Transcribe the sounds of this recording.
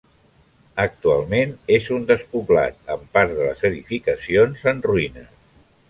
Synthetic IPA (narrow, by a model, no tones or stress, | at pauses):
ək̚t̪ualˠmenezund̪əspuβla̰t̪̚əmpaɾðələ̰zəðifikəsionzənruinə